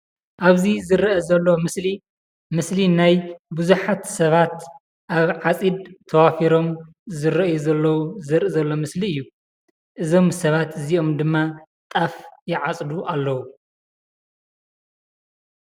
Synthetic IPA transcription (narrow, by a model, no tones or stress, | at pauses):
ʔaβzizɨɾɐʔɐzɐlːomɨsli | mɨslinajbuzuħat̪sɐβat̪ | ʔaβʕat͡sʼid̪t̪ʰɐwafiɾo̞m | zɨɾɐʔjuzɐlːɐwuzɨɾʔɨzɐlːo̞mɨsliɨjːu | ʔɨzo̞msɐβat̪ɨziʔo̞md̪ɨmːa | t̪ʼafjɪʕat͡sʼd̪uʔalːɐwu